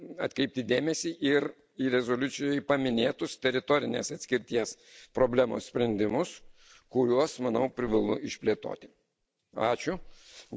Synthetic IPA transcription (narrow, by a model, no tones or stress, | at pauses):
ɐ̰t̪kʲɾʲɛɪp̚t̪ʲɪd̪ʲeːmʲɛsʲiːʔɪɾ | iɾʲɛzoːlʲʊt̪sʲɪjoːjpɐmʲɪnʲeːt̪ʊst̪ʲɛɾʲɪt̪oːɾʲɪnʲḛːsɐt̪sʲkʲɪɾʲt̪ʲiɛs | pɾoːbʲlʲæmo̰ːssʲpʲɾʲɛnʲd̪ʲɪmʊs | kʊɾʲuɔsmɐnɐʊpʲɾʲɪʋɐlˠʊɪʃʲpʲlʲeːt̪o̰ːt̪ʲɪ | ɑːt͡ʃʲʊ